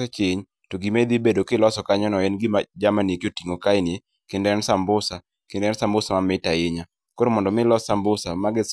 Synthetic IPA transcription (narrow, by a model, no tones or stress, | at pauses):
ɛt͡ʃɪɲ | toɡimed̪ibedokɪlɔsɔkaɲɔnɔɛnɡɪmad͡ʒamanekotiŋokaɪnje | kɪndɛnsambʊsa | kɪndɛnsambʊsamamɪtaɪɲa | koɾomɔndɔmɪlɔsambʊsamaɡɪ